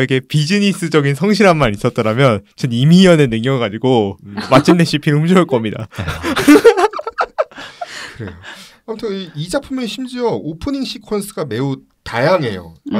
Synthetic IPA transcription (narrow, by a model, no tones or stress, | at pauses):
iɡe̞pid͡ʑiɲis͈ɯd͡ʑʌɡinsʰʌŋɕ̬ʰiɾɦanmanis͈ʌt̚t͈ʌɾamjʌnt͡ɕʰɯnimiiʌnenɯŋjʌɡɯɡad͡ʑiɡomat͡ɕʰinːeɕ͈ʰipʰinumɕʰiɯɭk͈ʌmɲida̰ | kɯɾe̞̰joamutʰɯiid͡ʑapʰumjʌnɕʰimd͡ʑiʌopʰɯniŋɕ͈ʰikʰʌns͈ʰɯɡame̞u | tajaŋɦe̞jo̰